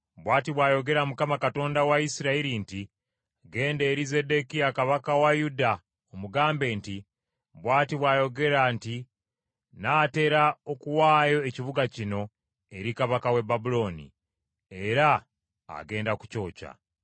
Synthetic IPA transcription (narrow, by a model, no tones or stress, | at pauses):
βwaːtiβwaːjo̞ɡe̞ɾamukamakato̞ːndawaisiɾaiɾinti | ɡe̞ːnde̞ːɾize̞de̞kiakaβakawajuda | omuɡaːmbe̞nti | βwaːtiβwaːjo̞ɡe̞ɾanti | naːte̞ːɾaokuwaːjo̞eciβuɡacino̞ | e̞ɾikaβakawe̞babulo̞ːnḭ | e̞ɾa̰ː | ɡe̞ːndaku̥co̞ːca̰